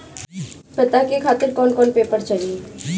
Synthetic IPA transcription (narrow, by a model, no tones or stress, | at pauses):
pɪt̪akekʰaːt̪ɪɾkɔːnkɔːnpeːpəɾt͡ʃaɦi